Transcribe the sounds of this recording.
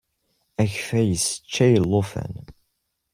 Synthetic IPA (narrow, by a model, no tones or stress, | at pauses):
æçfæjəsə̥t͡ʃːæjəlːofə̰n